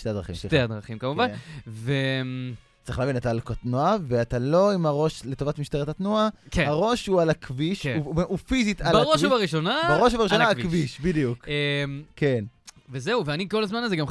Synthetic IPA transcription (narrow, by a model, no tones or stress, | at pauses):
ʃtead̪ʁaχimʃteadʁaχimkamuvanve | tt͡sḁʁiχlaːvinetalkotnuaveatalo̞imaʁo̞ʃle̞tovatmiʃteʁetatnuakehaʁo̞ʃhualakviʃufizitalʁouvaʁiʃonabaʁoʃuvaʁiʃʃonaakviʃbidijukemkenvezeuveaniko̞lazmanazeɡam